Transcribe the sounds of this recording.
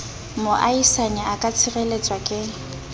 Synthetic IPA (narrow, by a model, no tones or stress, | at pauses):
moʔaisaɲɛakʼat͡sʰɪrelet͡sʼwakʼɪ